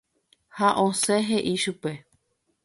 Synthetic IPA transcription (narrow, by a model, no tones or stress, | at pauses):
haʔõseɦeʔiʃupe̞